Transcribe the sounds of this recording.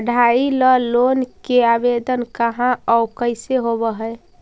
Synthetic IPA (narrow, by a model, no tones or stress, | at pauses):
əɖʱailəlonkeabed̪ənkəɦãʔɔukəɪseɦobəɦəe